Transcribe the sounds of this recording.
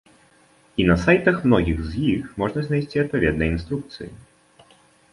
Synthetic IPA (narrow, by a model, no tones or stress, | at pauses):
inɐsajt̪ɐxmnɔɣʲiɣzjixmɔʐnɐzʲnajsʲt͡sʲiɐt̪̚pavʲɛd̪nɐjinst̪ɾuk̚t̪sɨ̰jḭ